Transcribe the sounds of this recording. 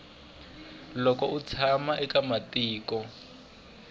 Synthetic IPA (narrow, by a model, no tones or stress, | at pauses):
lɔkɔut͡sʰamaʔɛkamatiːkɔ